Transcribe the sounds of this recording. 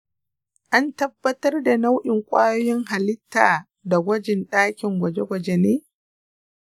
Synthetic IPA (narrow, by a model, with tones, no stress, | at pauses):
ʔa˦ntɐ˦bːɐ˦tɐ˦rda˨na˦wʔɪ˨ŋkʷʼaː˦jɔ˦jɪ˦ŋɦa˨lɪ˦tːaː˨ | da˨ɡʷɐ˦d͡ʒɪ˨nɗaː˦kʲɪ˨ŋɡʷɐ˨d͡ʒe˦ɡʷɐ˨d͡ʒe˦neː˦